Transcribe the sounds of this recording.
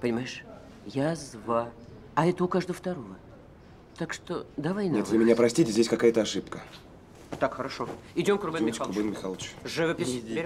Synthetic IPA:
pənʲɪmajɪʂ | jazva | ɐɛt̪əʊkaʐd̪əvəft̪ɐɾovə | t̪akʂt̪od̪avɐjnet̪lʲɪmʲɪnʲapɾɐsʲtʲitʲɪzʲdʲesʲkɐkajət̪əɐʂɨpkə | t̪akxəɾɐʂoɪdʲomkɾʊbɛmʲɪkˠʊbɨnmʲɪxalˠət͡ɕʐɨvəpʲɪs

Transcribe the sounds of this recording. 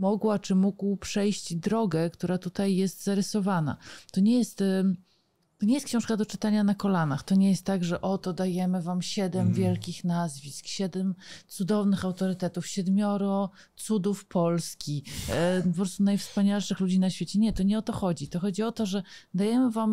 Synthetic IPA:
mɔɡwat͡ʂɘmuɡwpʂɛjɕt͡ɕd̪ɾɔɡɛkt̪uɾat̪ut̪ajːɛst̪zaɾɘsɔvana̰t̪ɔɲɛjɛst̪ | t̪ɔɲɛjɛst̪kɕɔ̃w̃ʂkad̪ɔt͡ʂɘt̪aɲanakɔlanaxt̪ɔɲɛjɛst̪ːaɡʐɛʔɔt̪ɔd̪ajɛmɘvamɕɛd̪ɛmvʲjɛlkʲixnazvʲiskɕɛd̪ɛmt̪sud̪ɔvnɘxawt̪ɔɾɘt̪ɛt̪ufɕɛd̪mʲjɔɾɔ | t̪sud̪ufpʰɔlskʲi | pɔpɾɔst̪unajfspaɲalʂɘxlud͡ʑinaɕfʲjet͡ɕɛɲɛt̪ɔɲɛɔt̪ɔxɔd͡ʑit̪ɔxɔd͡ʑiɔt̪ɔʐɛd̪ajɛmɘvam

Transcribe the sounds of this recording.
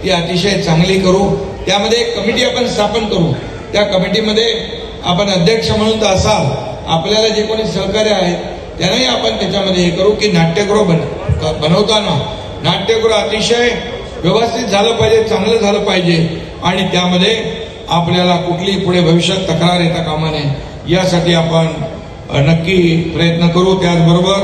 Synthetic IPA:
t̪iːat̪iʂəjt͡sãŋɡliːkəɾuːt̪jaməd̪ʱːjekːəmiʈiːapəɳst̪ʰapənkəɾuː | t̪jakəmiʈ̬iməd̪ʱːje | a̰pəɳəd̪ʱjəkʂəməɽ̃ũːnt̪əəsa | a̰pljalad͡ʑekoɽ̃iːsəɾkaɾeaɦe | t̪janaɦiapəɳt̪jat͡ɕaməd̪ʱːjeekəɾuːkiːnaʈːjəkɾob | əbənəʋt̪ana | naʈjəkɾoat̪ikʂəj | ʋjiʋəst̪it̪̚d͡zʱaləːpaɦid͡ʑet͡sãŋɡləd͡zʱaləːpaɦid͡ʑe | aɽ̃it̪jaməd̪ʱːje | apljalakuʈʰliːpuɽ̤ebʱəʋiɕjət̪ːəkɾaɾjet̪jakamane | jasaʈiːapəɳ | nəkːiːpɾəjət̪nəkəɾũːt̪jat͡sbəɾobəɾ

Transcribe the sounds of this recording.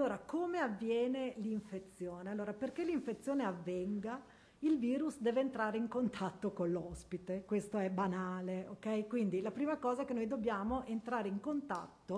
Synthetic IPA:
alːoːɾakoːmeavːjɛːneliɱfet̪sːjoːnealːoːɾaperkeliɱfet̪sːjoːneavːɛŋɡa | ilviːɾusd̪ɛːveːnt̪ɾaːɾeiŋkont̪ʰat̪ːokolːɔspit̪ekwest̪oɛbanaːleokɛjkwind̪ilapɾiːmakɔːzaɛkenːojd̪obːjaːmoʔent̪ɾaːɾeiŋkont̪a̰t̪ːo

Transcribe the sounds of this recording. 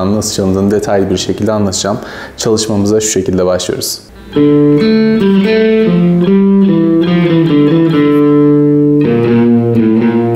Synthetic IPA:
annasɯt͡ʃʰalɯnd̪ɯːnɯd̪e̞t̪ʰajlʲibiɾʃe̞cʰilʲd̪ɛanlˠat̪ʰɯd͡ʒamt͡ʃʰalˠɯʃmamɯzaʃu̥ʃe̞cʰilʲd̪ɛbaʃlˠɯjo̰ɾuz̥

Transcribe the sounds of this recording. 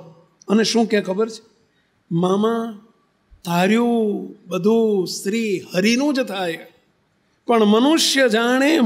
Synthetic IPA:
əneʃũːkãkʰəbəɾt͡ʃʰe̥ | mamã | t̪aɾjũbəd̪ʱũst̪ɾihəɾinũd͡ʒt̪ʰaj | pəɳmənuʃjəd͡ʒaɽ̃e

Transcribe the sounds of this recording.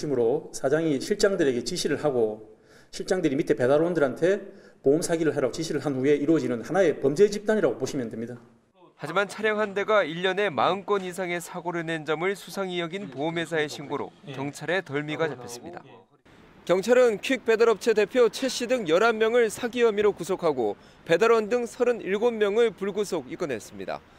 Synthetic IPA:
imɯɾosʰad͡ʑaŋiɕʰiɭt͡ɕ͈aŋdɯɾe̞ɡe̞t͡ɕiɕʰiɾɯɭhaɡo | ɕʰiɭt͡ɕ͈aŋdɯɾimitʰe̞pe̞daɾondɯɾɦantʰe̞pomsʰaɡiɾɯɭaɾaɡot͡ɕiɕʰiɾɯɭɦanɸue̞iɾuʌd͡ʑinɯnhanae̞pʌmd͡ʑe̞d͡ʑip̚t͈aɲiɾaɡopoɕʰimjʌndemɲida | had͡ʑimant͡ɕʰaɾjʌŋɦande̞ɡaiʎːʌne̞ma̰ɯnk͈wʌnis̬ʰaŋe̞sʰaɡoɾɯne̞nd͡ʑʌmɯɭsʰusʰaŋijʌɡinpoːmɦe̞s̬ʰae̞ɕʰiŋɡoɾo̰kjʌŋt͡ɕʰaɾe̞tʌɭmiɡat͡ɕapʰjʌs͈ɯ̥mɲida̰ | kjʌŋt͡ɕʰaɾɯnkʰɥik̚p͈e̞dɯɾʌp̚t͡ɕʰede̞pʰjot͡ɕʰe̞ɕ͈ʰidɯŋjʌɾamːjʌŋɯɭsʰaɡiʌmiɾokusʰokʰaɡo | pe̞daɾʌndɯŋsʰʌɾɯniɭɡomːjʌŋɯɭpuɭɡusʰoɡik͈ʌne̞s͈ɯmɲida̰

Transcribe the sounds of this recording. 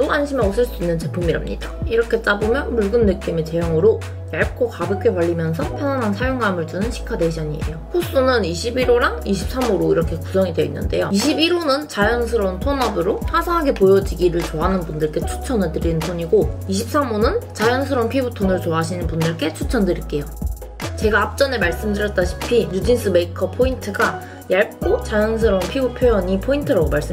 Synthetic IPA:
t͈oanɕʰimaɡosʰɯɭs͈uinːɯnt͡ɕe̞pʰumiɾʌmɲḭd̥aiɾʌkʰe̞t͡ɕ͈abomjʌnmuɭɡɯnːek̚k͈emet͡ɕe̞jʌŋɯɾo | jaɭ̚kʰokabɯk͈ʰe̞paʎːimjʌns̬ʰʌpʰjʌnanansʰajoŋɡamɯɭt͡ɕ͈ɯnɯnɕʰi̥kʰadeɕʌɲiḛjoɸus͈unɯniɕʰibiɾoɾaŋiɕʰip̚s͈amoɾoiɾʌkʰe̞kusʰʌŋideinːɯ̰nde̞̰joiɕʰibiɾonɯnt͡ɕajʌns̬ʰɯɾontʰonʌbɯɾoɸasʰaŋɦaɡe̞pojʌd͡ʑiɡiɾɯɭt͡ɕoɦanɯnbundɯɭk͈e̞t͡ɕʰu̥t͡ɕʰʌnɯɭtɯɾinɯntʰoɲiɡoiɕ̬ʰip̚s͈amonɯnt͡ɕajʌns̬ʰɯɾonpʰibutʰonɯɭt͡ɕoaɕʰinɯnbundɯɭk͈e̞t͡ɕʰut͡ɕʰʌndɯɾik͈e̞jo | t͡ɕe̞ɡaːp̚t͡ɕ͈ʌne̞maɭs͈ɯmdɯɾjʌt̚t͈aɕʰi̥pʰiɲud͡ʑins͈ʰɯme̞ikʰʌpʰointʰɯɡa | jaɭk͈ot͡ɕajʌnsʰɯɾonpʰibupʰjojʌɲipʰointʰɯɾaɡomaɭs͈m

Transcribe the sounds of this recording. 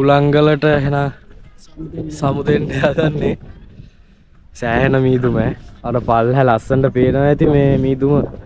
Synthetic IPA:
ulaŋɡələʈəɦena | samud̪end̪ejaːɡanːe | sæːɦenəmiːd̪umɛaɾəpalɦælasəɳɖəpeːnəʋet̪imeːmiːd̪umə

